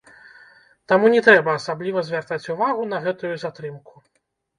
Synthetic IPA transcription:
t̪amunʲɛt̪ɾɛbɐːsablʲivɐzʲvʲart̪at͡sʲuvaɣunɐɣɛt̪ujuzat̪ɾɨmku

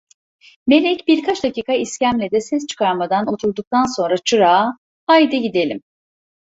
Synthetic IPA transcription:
me̞lʲɛcbiɾkʰat͡ʃd̪aciːkʰaiscæmlʲed̪ɛsɛs̬t͡ʃʰɯ̥kʰaɾmad̪ano̞t̪ʰuɾd̪uk̚t̪ʰanso̞nɾat͡ʃʰɯɾaː | haid̪ɛɟid̪elʲim

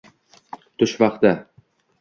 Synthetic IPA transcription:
t̪ʰʊʃvɑqt̪a

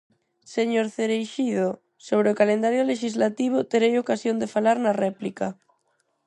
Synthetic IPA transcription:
seɲoɾθeɾejʃiðo | soβ̞ɾeokalend̪aɾjoleʃizlat̪iβ̞ot̪eɾejokasjond̪efalaɾnarɛplika

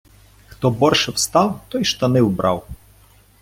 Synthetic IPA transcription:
xt̪ɔbɔrʃɛwst̪ɑwt̪ɔjʃt̪ɐnɪwbɾɑ̰w

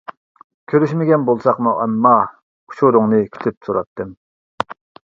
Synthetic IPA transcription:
kʲʰøɾyʃmɪɡʲɛnbolˠsɑqmuʔɑmːɑ | kʰu̥ʃʰuɾʊŋnɨkʲʰi̥t̪ʰɪp̚soɾɑt̪ʰːɨm

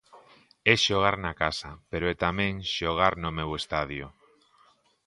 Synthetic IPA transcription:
ɛʃoɣ̞aɾnakasapeɾoɛt̪amẽŋʃoɣ̞aɾnomewest̪að̞jo

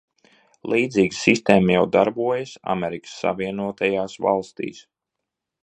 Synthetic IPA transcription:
lˠiːd̪ziːɡsist̪eːmjawd̪aɾbuɔjəsa̰mʲeɾikə̥sːa̰viɛnuɔt̪ajaːsva̰lˠst̪ḭːs

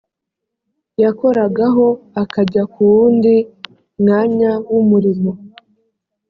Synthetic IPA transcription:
jako̞ɾaɡaɦo̞akaɟakuwuːndi | mŋaːɲawumuɾimo̞

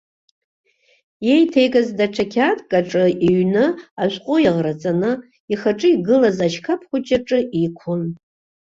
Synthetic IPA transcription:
je̞jtʰejkʼazdaʈ͡ʂʰakʲʰatʼkʼaʈ͡ʂʼɨʔiɥnɨaʃʷqʷʼʊjaʁrat͡sʼanɨ | iχaʈ͡ʂʼɨiɡɨlazaʃkʰapʰχʷʊt͡ʃʼaʈ͡ʂʼɨʔikʷʰʊn

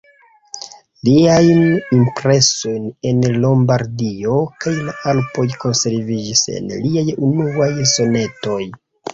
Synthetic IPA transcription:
liajnimpɾe̞so̞jnenlo̞mbaɾdio̞kajlaalpo̞jko̞nse̞ɾvid͡ʒise̞̰nliajunuajso̞ne̞to̞j

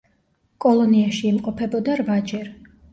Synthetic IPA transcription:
kʼɔlˠɔniaʃiːmqʼɔpʰɛbɔd̪aɾvad͡ʒɛɾ

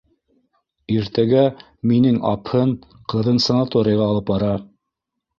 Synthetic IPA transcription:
iɾt̪æɡæ | minɘŋɑ̰phɤɴ | qɤ̆ðɤnsɐnat̪oɾʲɪjɑʁɑːlˠɤpbɑɾɑ

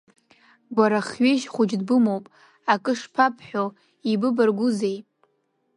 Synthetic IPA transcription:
ɡʷaɾaχɥeʃχʷʊd͡ʒdbɨmowpʼ | akʼɨʂpʰapʰħʷᶣo | ibɨbarɡʷʊzejʼ

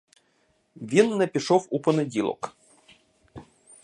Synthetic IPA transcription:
vʲinːɐpʲɪʂofuponɨd̪ʲilˠo̰k

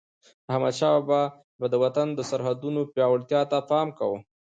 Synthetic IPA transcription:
hama̰t͡ʃɑba | bad̪əwat̪and̪əsaɾɦad̪unopjɑwaɽt̪jɑt̪afɑmkawu

